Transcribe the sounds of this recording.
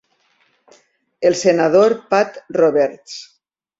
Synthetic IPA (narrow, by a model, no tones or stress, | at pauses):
elˠsenað̞oɾpat̪roβɛɾt̪s